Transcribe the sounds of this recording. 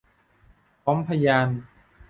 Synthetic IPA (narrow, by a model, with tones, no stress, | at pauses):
pʰɔ˦mpʰa˧jaː˧n